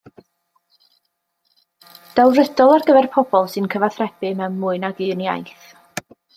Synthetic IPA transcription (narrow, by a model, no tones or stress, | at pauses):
d̥alˠrədɔlˠarɡəvɛrpʰɔb̥ɔlˠsɨnkʰəvaθrɛb̥ɪmɛwmmʊːɨnaɡɨːnja̰jθ